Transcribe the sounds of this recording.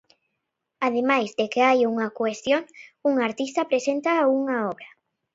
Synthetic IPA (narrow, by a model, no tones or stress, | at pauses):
að̞emajzd̪ekeajuŋɐkwest̪joŋuŋaɾt̪ist̪ɐpɾesent̪auŋaɔβɾɐ